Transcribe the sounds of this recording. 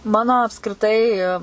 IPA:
ˈmɑːnoː ɐpskrʲɪˈtɐɪ

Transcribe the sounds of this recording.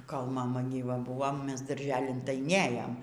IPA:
koːlˠ mɐˈmɐ ɡʲiːˈʋɐ ˈbʊʋoː ˈmʲɛs dɐrʲˈʒʲæːlʲɪn tɐɪ ˈnʲeːjoːm

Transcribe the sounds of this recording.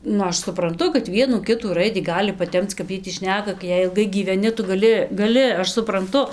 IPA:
ˈnʊ ˈɐʃ sʊprɐnˈtʊ kɐt ˈʋʲiɛnuː ˈkʲɪtuː ˈrɐɪdʲiː ˈɡɑːlʲɪ pɐˈtʲɛmt͡s kɐp ˈjiɛj tʲiː ˈʃʲnʲæːkɐ ɡʲɪ ˈjɛɪ ɪlˠˈɡɐɪ ɡʲiːʋʲɛˈnʲɪ ˈtʊ ɡɐˈlʲɪ ɡɐˈlʲɪ ˈɐʃ sʊprɐnˈtʊ

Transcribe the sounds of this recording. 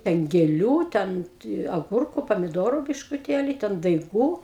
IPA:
ˈtʲɛn ɡʲeːˈlʲuː ˈtʲɛn tʲɪ ɐˈɡʊrkʊ pɐmʲɪˈdoːrʊ bʲɪʃkʊˈtʲeːlʲɪ ˈtʲɛn dɐɪˈɡuː

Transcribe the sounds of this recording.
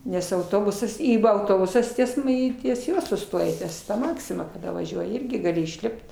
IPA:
nʲɛs ɐʊˈtoːbʊsɐs ˈiː ˈʋɐ ɐʊˈtoːbʊsɐs tʲiɛs m ˈiː tʲiɛs ˈjuɔ sʊˈstoːjɛ ˈtʲiɛs ˈmɑːksʲɪmɐ kɐˈdɐ ʋɐˈʒʲuɔjɪ ˈɪrʲɡʲɪ ɡɐˈlʲɪ ɪʃʲˈlʲɪpt

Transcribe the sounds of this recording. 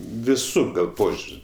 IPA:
ʋʲɪˈsuː ɡɐlˠ ˈpoːʒʲʊrʲsʲ

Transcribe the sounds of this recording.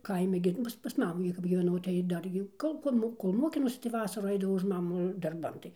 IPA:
ˈkɐɪmʲɛ ɡʲɪ ˈmuːs pɐs ˈmɑːmuː ɡʲɪ kɐp ɡʲiːʋʲɛˈnɐʊ tɐɪ ˈdɐr jɛʊ ˈkoːlˠ koːlˠ ˈmoː koːlˠ ˈmoːkʲɪnɐʊsʲɪ tɐɪ ˈʋɑːsɐruː ˈɐɪdɐʋɐʊ ʊʃ ˈmɑːmʊ dɐrˈbɐn tɐɪ

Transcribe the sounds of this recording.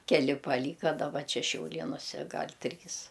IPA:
kʲɛˈlʲɪ pɐˈlʲiːkɐ dɐˈbɐ ˈt͡ʃʲɛ ʃʲɛʊˈlʲeːnʊsʲɛ ˈɡɐlʲ ˈtʲrʲiːs

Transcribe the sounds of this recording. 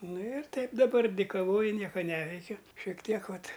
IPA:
ˈnʊ ɪr ˈtɐɪp dɐˈbɐr dʲɪkɐˈʋoːjʊ ˈnʲiɛkɐ ˈnʲæːʋʲɛɪkʲʊ ʃʲiɛk ˈtʲiɛk ˈʋɐt

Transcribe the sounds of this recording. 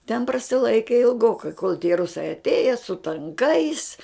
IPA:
tʲɛn prɐsʲɪˈlˠɐɪkʲɪ ɪlˠˈɡoːkɐɪ koːlˠ tʲiɛ ˈrʊsɐɪ ɐtʲˈeːjɛ sʊ tɐŋˈkɐɪs

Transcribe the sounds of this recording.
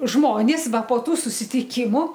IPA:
ˈʒmoːnʲeːs ˈʋɐ poː ˈtuː sʊsʲɪtʲɪˈkʲɪmʊ

